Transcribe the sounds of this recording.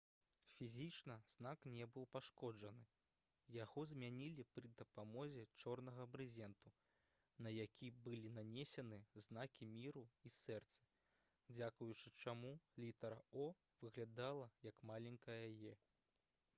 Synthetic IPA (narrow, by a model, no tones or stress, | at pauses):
fʲizʲit͡ʂnɐznaknʲɛbɨwpaʂkɔd͡ʐɐnɨ | jaɣɔzmʲanʲilʲipɾɨd̪ɐpamɔzʲɛt͡ʂɔrn̪ɐɣɐbɾɨzʲɛnt̪u | nɐjakʲibɨlʲinanʲɛsʲɐnɨznakʲimʲiɾuisɛrt̪sɐ̥ | d͡zʲakujut͡ʂɨt͡ʂamulʲit̪ɐɾɐɔ | vɨɣlʲad̪alˠɐjɐkmalʲɛnʲkɐjɐɐjɛ